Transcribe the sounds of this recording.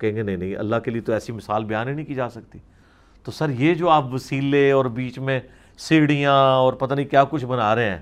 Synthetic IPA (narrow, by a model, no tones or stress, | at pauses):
kɛɦẽːŋɡenɐĩnɐɦĩʔɐ̰lːaːkeliet̪oɛːsimɪsaːlbɪjaːnĩnə̃ĩkiːd͡ʒaːsɐkt̪iː | t̪oːsɐɾjeːd͡ʒoːaːpʋəsiːleɔːɾbiːt͡ʃmẽ | seːɽijãːɔːɾpɐt̪aːnĩkjaːkʊt͡ʃʰbənaːɾɐeɛ̃ː